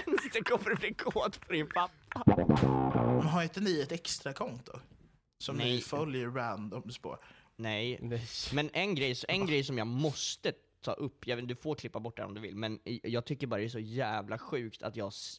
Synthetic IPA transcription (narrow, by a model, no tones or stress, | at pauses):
d̪ɛkʰɔmːəɾɛblɪkʰoːt̪fʰɔɾɪnpʰapːa | mɛnɦaɾɪnt̪əniɛt̪ɛkst̪ɾakʰɔnt̪ʊ̰ | sɔmnɛfœljəɾːand̪ɔmspʰo̰ | nɛjmɛnʔɛnɡɾɛjsɛnɡɾɛjsɔmjɑːɡmɔst̪ə | t̪ʰɑ̰ːʔɵpːjɑd̪ɵfoːɾkʰlɪpːabɔʈ̚ːdæ̰ɾɔ̰md̪ɵvɪ̰lmɛnjɑːɡ̚t̪ʰʏkːəɾbɑɾad̪ɛæːʂɔjæːvlaɧʉ̟ːkt̪ʰa̰t̪jɑː